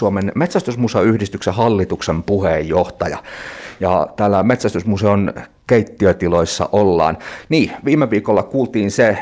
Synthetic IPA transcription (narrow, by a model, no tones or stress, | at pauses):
uomenmet̪sæst̪ysmusɑyhdist̪yksehɑlːit̪uksempuhejjoht̪ɑjɑ̰jɑ̰t̪æːlːæmet̪sæst̪ysmuseon | keit̪ːiøt̪iloisːɑ̰ʔolːɑ̰ːnniːʋiːmːeʋiːkolːɑkuːlt̪iːnse